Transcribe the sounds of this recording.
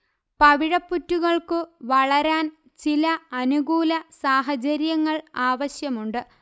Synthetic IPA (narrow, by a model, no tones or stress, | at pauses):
pɐʋiɻɐpːutːuɣɐɭkɨʋɐɭɐɾaːn | t͡ɕilɐɐnuɣuːlɐsaːɦɐt͡ɕɐɾjɐŋːɐɭaːʋɐɕjɐmuɳɖɨ